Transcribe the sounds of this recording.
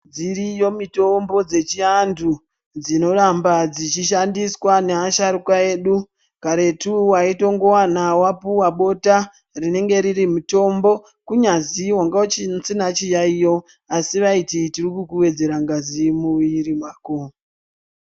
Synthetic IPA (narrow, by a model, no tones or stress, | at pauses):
d͡ziɾijo̞mito̞mbo̞d͡ze̞t͡ʃiandu | d͡zino̞ɾambad͡zit͡ʃiʃandiswaneaʃaɾukae̞ːɗu | kaɾe̞tuwaito̞ŋɡo̞wanawapuwaɓo̞ta | rine̞ŋɡe̞ɾirimuto̞mbo̞ | kuɲaziwaŋɡaot͡ʃisinat͡ʃijaijo̞ | asiʋaititirikukuwe̞d͡ze̞ɾaŋɡazimuʋiɾimwaːko̞